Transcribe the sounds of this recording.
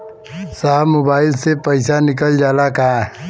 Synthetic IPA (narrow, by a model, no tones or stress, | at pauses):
saːmoːbaːɪlsepəɪsanɪk̬əld͡ʒaːlaka